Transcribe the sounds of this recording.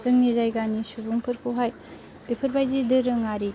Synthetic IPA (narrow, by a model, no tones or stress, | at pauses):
zɯŋnizajɡanisubuŋpʰɯɾkʰuɦaj | bepʰɐɾbajdidɯɾɯŋaɾi